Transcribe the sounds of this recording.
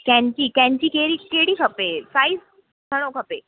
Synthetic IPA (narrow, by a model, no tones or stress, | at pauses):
kjãɲt͡ɕiːk̪jãɲt͡ɕiːkeɽiːkeɽiːkʰəpesaiːs | kʰəɽ̃okʰəpe